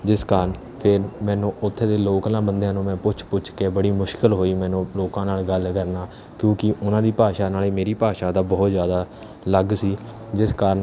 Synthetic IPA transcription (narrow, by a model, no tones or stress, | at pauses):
d͡ʒɪskaːɾn | pʰɪɾmɛ̃ːnũːʔʊt̪ʰːeːd̪eːloːknaːbənd̪ejãːnũːmɛ̃ːpʊt͡ʃʰpʊt͡ʃʰkeːbəɽiːmʊʃkəlɦoːiːmɛ̃ːnũːloːkãːnaːlɡəlkəɾnaː | kjõːkɪʔʊnãːd̪iːpaːʃaːnaːleːmeːɾiːpaːʃaːd̪aːbɔːt̪zjaːd̪aː | ləɡsiː | d͡ʒɪskaːɾən